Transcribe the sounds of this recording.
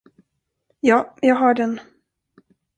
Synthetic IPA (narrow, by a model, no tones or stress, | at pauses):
jɑːjɑːɡɦɑːɖɛn